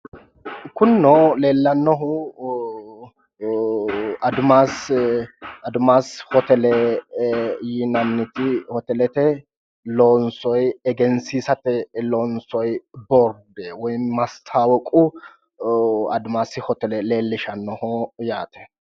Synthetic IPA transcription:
kʊnːɔle̞ːlːɐnːɔɦʊ | ɐd̪ʊmaːs | ɐd̪ʊmaːshɔt̪ɛlɛ | jɪnɐnːɪt̪ɪhɔt̪ɛlɛt̪ɛ | loːnsɔjɛɡɛnsiːsɐt̪ɛloːnsɔjbɔɾd̪ɛwɔjmɐst̪ʰaːwɔkʼʊ | ɐ̰d̪ʊmaːsɪhɔt̪ɛlɛle̞ːlːɪʃɐnːɔhɔjaːt̪ɛ̥

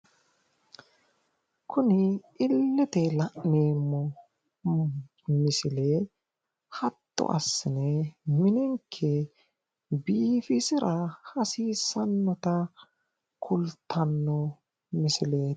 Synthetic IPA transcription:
kʰʊnɪ | ɪlːɪt̪ɛlɐʔneːmːɔ | mɪsɪle | hɐt̪ːʊ̰ʔɐ̰sːɪnɛmɪnɪŋkʰːɛ | biːfɪsɪɾɐhɐsiːsɐnːɔt̪ɐ | kʰʊlt̪ʰːɐnːɔ | mɪsɪleː

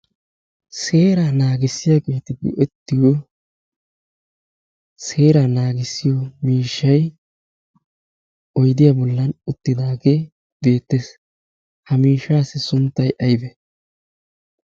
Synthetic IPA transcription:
se̞ːɾanaːɡɪsːɪjakeːt̪ɪd̪ɪ̰ʔɛt̪ːɪjo | se̞ːɾanaːɡɪsːɪjɔmiːʃːɐj | ɔjd̪ɪjabɔlːɐnʊt̪ːɪd̪aːɡe | be̞ːt̪ːes | hɐmiːʃːaːsɪsʊnt̪ːɐjʔɐjbɛ

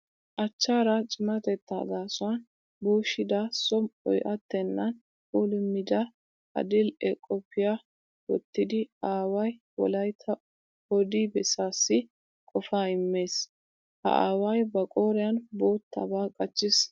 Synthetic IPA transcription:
ʔɐt͡ʃːaːɾɐt͡ʃʼɪmɐt̪ɛt̪ːa̰ːd̪aːsʊwɐn | buːʃɪd̪asɔmɔ̰jʔɐt̪ːɛnːɐn | uːlɪmːɪd̪ɐ | ɐ̰d̪ɪlɛkʼːɔpʰːɪja | wɔt̪ːɪd̪ɪaːwɐj | wɔ̰lɐjt̪ʰːɐ | ɔd̪ibɛsaːsːɪ | kʼɔfaːɪmːeːs | hɐ̰ʔa̰ːwɐjbɐkʼo̞ːɾɪjɐnbo̞ːt̪ːɐ̰baːkʼɐt͡ʃːɪs

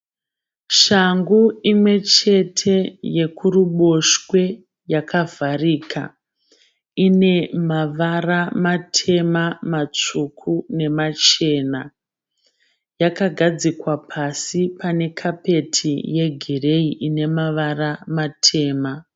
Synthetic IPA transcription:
ʃaŋɡuimwe̞t͡ʃe̞tʰe̞je̞kuɾuɓo̞ʃwe̞ | jakʰavʱariːkʰa̰ | ine̞maʋaramatʰe̞mamat͡ʂukʰune̞mat͡ʃe̞ːna | jakaɡʱad͡zikwapʰasipane̞kʰape̞tʰije̞ɡʱire̞iʔine̞maʋaramatʰe̞ːma

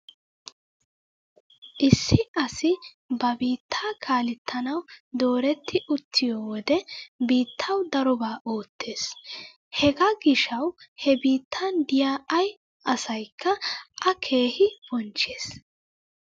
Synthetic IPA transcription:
ʔɪsːɪʔɐsɪ | bɐbiːt̪ʰːaːkʰaːlɪt̪ʰːɐnɐwd̪o̞ːɾɛt̪ːɪʔʊt̪ʰːɪjoːwɔd̪ɛbiːt̪ʰːɐwd̪ɐɾɔbaːʔoːt̪ʰːeːs | hɛɡɐɡɪʃɐwhɛbiːt̪ːɐnd̪ɪjaːɐj | ɐsɐjkʰːɐʔɐkʰe̞ːhɪb̥ɔnt͡ʃːeːs

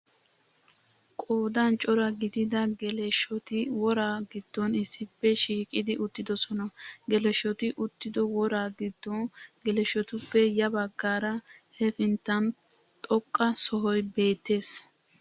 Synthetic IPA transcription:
kʼoːd̪ɐnt͡ʃʼɔɾɐɡɪd̪ɪd̪ɐɡɛlɛʃɔt̪ɪwɔɾaːɡ̪ɪd̪̥ːɔnɪsːɪpːɛʃiːkʼɪd̪ɪʊt̪ːɪd̪ɔsɔnɐ | ɡɛlɛʃɔt̪ɪʔʊt̪ːɪd̪ɔwɔɾaːd̪ɪd̪ːɔɡɛlɛʃɔt̪ʊpːɛjɐbɐɡːaːɾɐhɛfɪnt̪ːɐnt̪ʼɔkʼːɐsɔɦɔjbe̞ːt̪ːe̞ːs

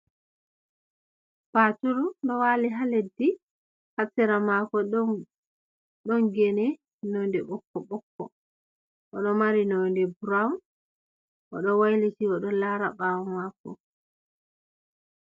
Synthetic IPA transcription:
patuɾuɗɔwaliɦaledːi | hasɛɾamakɔ | ɗɔnɡɛnɛ | nondɛɓɔkːɔɓɔkːɔ̰ | ʔɔɗɔmaɾinondɛbuɾam | ʔɔ̰ɗɔwajlitiɔɗɔlaɾaɓawamakːɔ̰

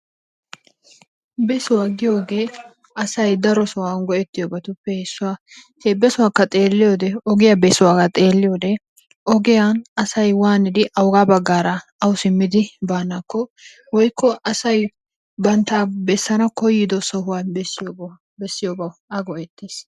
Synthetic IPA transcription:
bɛsʊwaːɡɪjo̞ːɡe̞ː | ɐsɐjd̪ɐɾɔsɔwaːnɡɔʔɛt̪ːɪjoːbɐt̪ʊpːɛhɛsːʊwaː | h̪ebːɛsʊwaːkːɐt̪ʼe̞ːlːɪjo̞ːd̪ɛɔɡɪjabɛsʊwaːkɐt̪ʼe̞ːlːɪjoːd̪ɛ | ɔɡɪjanɐsɐjwaːnɪd̪ɪʔɐwɡaːbɐɡːaːɾɐɐwsɪmːɪd̪ɪbaːnːakːɔ | wɔjkʰːɔʔɐsɐj | bɐnt̪aːbɛsːɐnɐkɔjɪd̪ɔsɔhʊwaːbɛs | bɛsːɪjoːbɐwɐɡɔʔɛt̪ːeːs

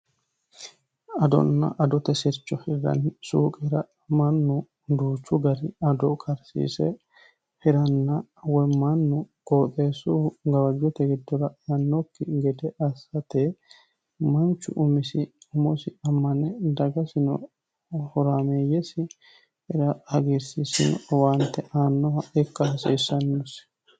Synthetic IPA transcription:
ɐd̪ɔ̰nːɐ̰ʔɐd̪ɔt̪ɛsɪɾt͡ʃːɔhɪɾːɐ̰nsuːkʼɛɾɐ | mɐnːʊ | d̪uːt͡ʃːʊɡɐɾɪɐd̪ɔkʰʼɐɾsḭːsɛ̰ | hɛɾɐnːɐwɔjmɐnːʊkʼoːt̪ʼeːsuɡɐwɐd͡ʒːɔt̪ɛɡɪd̪ːɔɾɐjɐnːɔkːɪɡɛd̪ɛʔɐsɐt̪e | mɐnt͡ʃːʊ̰ʔʊmɪsɪʊmɔsɪɐmːɐnɛd̪ɐɡɐsɪnɔ̰ | hɔɾameːjɛsɪ | hɛɾɐɐɡɪɾsisɪ̰nɔwaːnt̪ːɛʔaːnːɔhɐɛkːɐhɐsɛːsːɐnːɔs

